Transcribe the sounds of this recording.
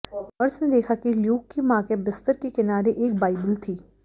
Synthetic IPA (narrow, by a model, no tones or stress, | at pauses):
ɔɾɪsned̪eːkʰakiljuːkːemãːkebɪst̪əɾkekɪnaːɾeʔeːk̚baːɪbəlt̪ʰiː